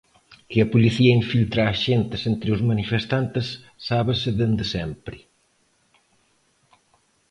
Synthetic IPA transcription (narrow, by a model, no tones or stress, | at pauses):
kɪɐpuliθiɐiɱfilt̪ɾaʃent̪ɪsent̪ɾɪuzmɐnifest̪ant̪ɪsː | aβɪsɪðend̪ɪsɛmpɾɪ